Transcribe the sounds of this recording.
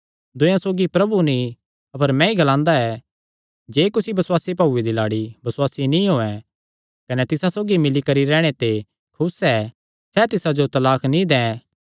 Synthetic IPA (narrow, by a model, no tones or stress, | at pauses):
d̪ʊ̃jãsoːɡipɾɐbunĩ | ɐpəɾmɛ̃iɡɐlãːnd̪aɛ | d͡ʒeːkʊsibɐswaːsip̬ɐʊed̪ilaːɽibɐswaːsinĩɦoːɛ | kɐnɛt̪ɪsasoːɡimɪlikɐɾiɾɛːɽ̃et̪e | kʰʊsɛː | sɛt̪ɪsad͡ʒot̪ɐlaːkʰnĩd̪ɛ̃ː